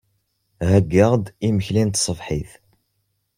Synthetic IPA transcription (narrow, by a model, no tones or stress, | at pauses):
hæɡːəʁd̪iməçlint̪sˤəfħiθ